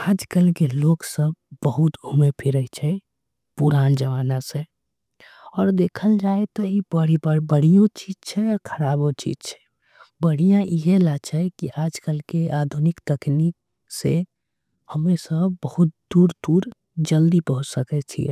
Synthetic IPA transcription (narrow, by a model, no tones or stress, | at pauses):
aːd͡ʒkəlkeloːɡsəb̚bəɦut̪ɡʱumepʰiɾət͡ʃʰɛ | puɾaːnd͡ʒəʋaːnasẽ | ɔːɾd̪eːkʰəld͡ʒaːet̪ɔibəɽibəɽ̤ijõt͡ʃid͡ʒt͡ʃʰɛɔɾkʰəɾaːbõt͡ʃḭd͡ʒt͡ʃʰɛ̥ | bəɽ̤ijãʔiɦelat͡ʃʰɛkiʔaːd͡ʒkəlkeaːd̪ʱunɪkt̪əknik̚ | se | həmesəbbəɦʊt̪̚d̪uːɾd̪uːɾ | d͡ʒəld̪ipəɦʊt͡ʃsəkɛt͡ʃʰḭɛ̰